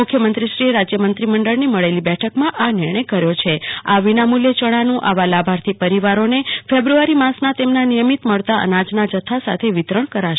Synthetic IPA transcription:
mʊkʰjəmənt̪ɾiʃɾiɾad͡ʒjəmənt̪ɾiməɳɖəɭniməɭelibɛʈʰəkmãʔanɪɾɳ̃əjkəɾjot͡ʃʰeaʋinamuljət͡ʃəɽ̃anũʔa̰ʋalabʱaɾt̪ʰipəɾiʋaɾonefebɾuaɾimãsnat̪emnanijəmit̪məɭt̪aʔə̰nad͡ʒnad͡ʒət̪ʰasa̰t̪ʰeʋit̪ɾəɳ̃kəɾaʃ

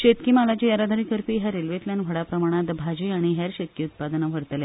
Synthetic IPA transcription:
ɕet̪kiːmalad͡ʑijəɾad̪ʱəɾikəɾpiːɦɛɾelʋet̪ljanʋʱəɽapɾəmaɽ̃at̪bʱad͡ʑiaɽ̃iɦɛɾɕet̪̚kiut̪̚pad̪naʋ̤ʱəɽt̪le

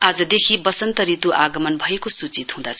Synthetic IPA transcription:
ad͡zʌd̪ekʰibʌsʌnt̪ʌɾit̪uʔaɡʌmʌnbʱʌekosut͡sit̪hũd̪at͡sʰʌ

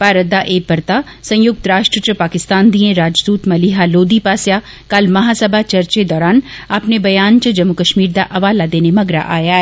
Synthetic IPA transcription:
paːɾəd̪aʔeːpɐɾt̪a | sɐ̃jjʊk̚t̪ɾaːʃʈɾət͡ʃɾəpaːkɪst̪aːnd̪iẽɾaːd͡ʒd̪uːt̪mɐliɦaloːd̪ipaːsja | kɐlmɐɦasɐbʱat͡ʃɐɾt͡ʃed̪ɔːɾaːnɐpnebɐjaːnt͡ʃəd͡ʒɐmːʊkəʃmiːɾd̪aʔɐʋaːlad̪eːnemɐɡɾa̰ʔaːjaɦɛː

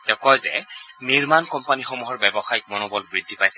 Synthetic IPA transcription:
tɛkɔjzɛ̰niɹmankɔmpanixɔmuɦɔɹbɛbɔxajik̚mɔnɔbɔlbɹid̪ʱːipajsɛ

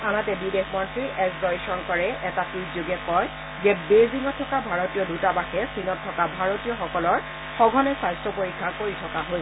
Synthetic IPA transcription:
anatɛbidexmɔntɹiʔɛkzɔjsɔnkɔɹɛʔɛtatɹizjoɡɛkɔj | d͡ʒɛbeziŋɔtʰːɔkabʱaɹotijɔdʱutabaxɛsinɔtʰːɔkabʱaɹotijɔxɔkɔlɔɹ | xɔɡʱɔnɛsajstɹɔpoɹikʰːakoɹitʰɔkaɦoj

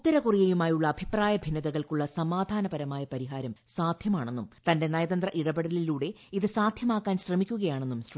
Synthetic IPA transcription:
t̪ːɐɾɐkurijejumaːjuɭːɐːbʱipraːjɐbʱinːɐðɐɣɐɭkuɭːɐsɐmaːd̪ʱaːnɐbɐɾɐmaːjɐpɐɾiɦaːɾɐmsaːd̪ʱjɐmaːɳe̞nːumt̪ɐnde̞nɐjɐðɐnd̪rɐʔiɽɐbeɽɐliluːɽe̞ | iðɨsaːd̪ʱjɐmaːkːaːnɕrɐmikʲːuɣɐjaːɳe̞nːumɕr

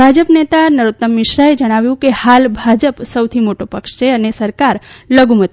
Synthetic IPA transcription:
bʱad͡ʒəpnet̪anəɾot̪ːəmːɪʃɾaed͡ʒəɽ̃aʋjũkehalbʱad͡ʒəpsəwt̪ʰimoʈopəkʃt͡ʃʰeənesəɾkaɾləɡumət̪

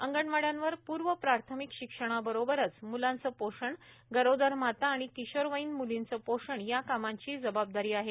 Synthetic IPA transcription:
əŋɡəɳʋaɽjãnʋəɾpuːɾʋəpɾaɾt̪ʰəmikɕikʂəɽ̃abəɾobəɾət͡smulant͡səːpoʂəɳ | ɡəɾod̪əɾmat̪aːɽ̃ik̪iɕəɾʋəinmulint͡səpoʂəɳjakamaɲt͡ɕiːd͡zəbab̚d̪aɾiːaɦe

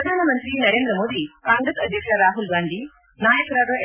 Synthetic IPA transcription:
ɐd̪ʱaːnɐmɐnt̪ɾinɐɾeːnd̪ɾɐmoːd̪iaːŋɡɾɐsɐd̪ʱjɐkʂɐɾaːɦulɡaːɳɖi | naːjɐkɾaːɾɐ

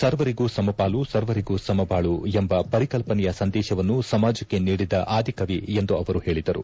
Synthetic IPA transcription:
sɐɾʋɐɾiɡusɐmɐpaːlusɐɾʋɐɾiɡusɐmɐpaːɭuembɐpɐɾikɐlpɐnɛjɐsɐnd̪ɛːʃɐʋɐnːusɐmaːd͡ʒɐkːe̞niːɽid̪ɐʔaːd̪ʱikɐʋiend̪uɐʋɐɾuhe̞ːɭid̪ɐɾṵ

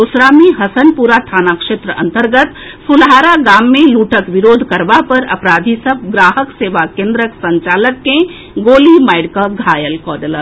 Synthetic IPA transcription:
usɾaːmiɦəsənpuɾat̪ʰaːnakʃet̪ɾəʔə̰nt̪əɾɡət̪ | sulɦaːɾaɡaːmːẽluːʈəkʋiɾoːd̪ʱkəɾbapəɾə̰pɾaːd̪ʱisəb̚ʱɡɾaːɦəkseʋakẽnd̪ɾəksə̃ɲt͡ʃaːləkːẽ | ɡoːlimaɪɖkəɡʱajəlkɔːɖələt̪

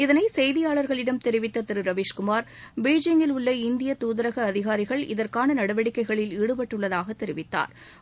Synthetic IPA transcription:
ɪðɐnɐɪsɛjðɪjaːɭɐɾɣɐɭɪɽɐmt̪ɛɾɪʋɪt̪ːɐt̪ːɪɾɯɾɐʋeːʂkʊmaːɾ | beːd͡ʒɪŋɪlʊɭːɐɪnd̪ɪjɐt̪uːðɐɾɐɣɐːðɪɣaːɾɪɣɐɭʔɪ̰ðɐrkaːnɐnɐɽɐʋɐɽɪkːɐɪɣɐɭɪliːɽɯpɐʈːɯɭːɐðaːɣɐt̪ːɛɾɪʋɪt̪ːa̰ːɾ

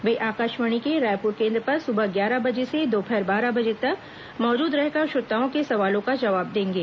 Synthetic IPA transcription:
ʋeːʔaːkaːʃʋəɽ̃ikeɾaːjpʊɾkẽːnd̪ɾəpɐɾsʊbəɡjaːɾabɐd͡ʒesed̪oːpʰɛɾbaːɾabɐd͡ʒet̪ɐk | mɔːd͡ʒuːd̪ɾɛɦkəʃʊɾt̪ːaːõkesɐʋaːlõkad͡ʒɐʋaːb̚d̪ẽːŋɡeː

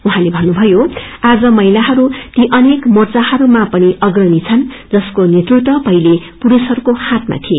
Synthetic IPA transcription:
uɦãlebʱʌnːubʱʌjoad͡zʌmʌilaɦʌɾut̪iʔʌnekmort͡sahʌɾumapʌniʔʌɡrʌnit͡sʰʌn | d͡zʌskonet̪rut̪wʌpʌilepuɾusʌɾukohãt̪ma̰t̪ʰie

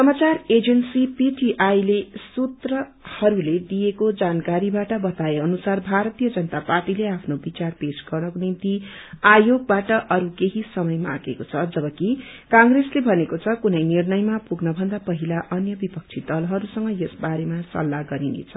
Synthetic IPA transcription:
sʌmat͡sared͡zensipiʈiʔajlesut̪rʌ | hʌɾuled̪ijekod͡zankaɾibaʈʌbʌt̪aeʌnusarbʱaɾʌt̪ijʌd͡zʌnʌt̪aparʈileapʰnobit͡sarpesɡʌrnʌkonimt̪iajoɡ̚baʈʌʔʌɾukeɦisʌmʌjma̰ɡekot͡sʰʌd͡zʌbʌki | kãŋɡreslebʱʌnekot͡sʰʌkunʌjnirnʌjmapuɡnʌbʱʌnd̪apʌɦilaʔʌnjʌbipʌk̚t͡sʰid̪ʌlɦʌɾusʌŋɡʌjʌsbaɾemasʌ̰lːaɡʌɾinḛt͡sʰʌ

